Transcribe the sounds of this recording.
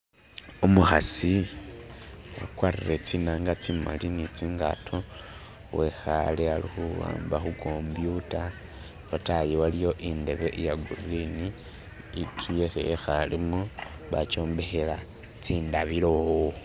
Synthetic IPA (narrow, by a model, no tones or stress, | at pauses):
umuxasi | akwariret͡sinaːŋɡat͡sima̰linit͡siŋɡa̰tʰo | wʔexalealixuwa̰ːmbaxuko̞mbjuta | βatajewalijo̞ʔinde̞βe̞ʔijaɡuriniː | tʰujesejexalimu | βat͡ʃo̞ːmbe̞xela | t͡siːndaβilo̞ho